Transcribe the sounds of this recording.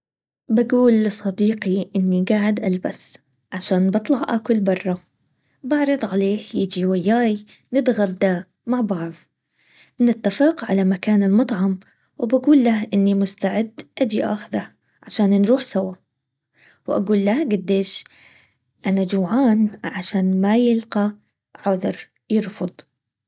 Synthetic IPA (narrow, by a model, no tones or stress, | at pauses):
baɡuːlːɨsˤɑd̪iːqiʔɪnːiɡaːʕɪd̪ʔalba̰s | ʕaʃaːnbɑt̪ˤlɑʕʔa̰kʊlbɑrˤːɑ | bɑʕɾˤɨd̪ˤʕaleːhjɪd͡ʒiwajːaːj | nɪd̪ɣad̪d̪a | maʕbɑʕðˤ | nɪt̪ːafɪqʕalamakaːnɪlmɑt̪ˤʕɑm | wbaɡuːlːahʔɪnːimʊst̪aʕɪd̪ːʔad͡ʒiʔaxða | ʕaʃaːnnɾuːħsawa | wʔa̰ɡuːlːahɡad̪ːeːʃ | ʔanad͡ʒawʕaːnʕaʃaːnmajɪlqɑ | ʕʊðɾ | jɪɾfʊd̪ˤ